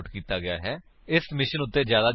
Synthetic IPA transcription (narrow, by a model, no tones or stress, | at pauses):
ʈkiːt̪aːɡɪja̰ːɦɛː | ɪsmɪʃənʊt̪ːeːd͡ʒjaːd̪aː